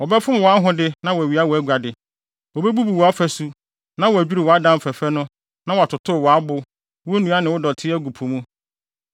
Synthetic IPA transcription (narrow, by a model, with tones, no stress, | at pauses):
wɔ˨bɛ˦fʊ̃˦m˨wɔ˨a˦ɦʊ̃˦dɪ˦nã˦wɔ˨æ˨ɥi˨˦a˦wɔ˨æ˦ɡʷa˨dɪ˨ | wɔ˨be˦bu˦bu˨wɔ˨a˦fæ˨su˦ | nã˦wɔ˨æ˨d͡ʑᶣu˦ɾi˨wɔ˨a˦dã˦m̩˨fæ˨fɛ˦nʊ̃˦ | nã˦wɔ˨a˨tʰʊ˨tʰʊ˦˨wɔ˨a˦bʊ˨ | wo˦nũ˨˦a˦nɪ̃˨wʊ˦dɔ˨tʰɪ˦ɛ˦ɡu˨pʰu˨mũ˦